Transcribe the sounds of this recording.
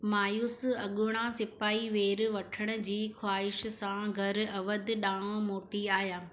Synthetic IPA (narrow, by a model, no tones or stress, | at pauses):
maːjuːsɐɠʊɽ̃asɪpaːiʋeːɾʋɐʈʰəɽ̃ʊ̆d͡ʑiːxwaːɪʃsãɡʱɐɾɐʋəd̪ɗaːõmoːʈiaːɦjaː